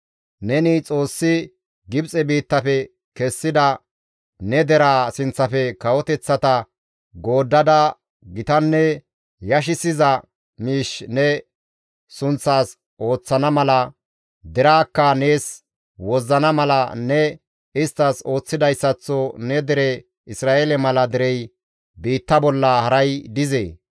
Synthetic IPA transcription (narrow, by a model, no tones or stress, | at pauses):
nɛnɪt͡sʼo̞ːsːɪ | ɡɪbt͡sʼɛbiːt̪ːɐfɛ | kɛsːɪd̪ɐ | nɛd̪ɛɾaːsɪnt͡sːɐfɛkɐwɔt̪ɛt͡sːɐt̪ɐ | ɡo̞ːd̪ːɐd̪ɐ | ɡɪt̪ɐnːɛ | jɐʃ̬ɪsɪzɐ | miːʃnɛ | sʊnt͡sːaːs | ʔo̞ːt͡sːɐnɐmɐlɐ | d̪ɛɾaːkːɐne̞ːs | wɔzːɐnɐmɐlɐnɛ | ɪst̪ːɐso̞ːt͡sːɪd̪ɐjsːɐt͡sːɔnɛd̪ɛɾɛ | ɪsɾaːʔelɛmɐlɐd̪ɪɾɛj | biːt̪ːɐbɔlːɐhɐɾɐjd̪ɪzḛː